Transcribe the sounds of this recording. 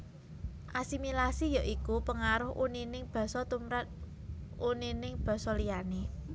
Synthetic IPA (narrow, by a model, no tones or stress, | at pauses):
ʔasimilasijaʔikupəŋaɾʊhʔuninɪŋb̥ä̤sɔt̪umɾat̪̚ | uninɪŋb̥ä̤sɔlijane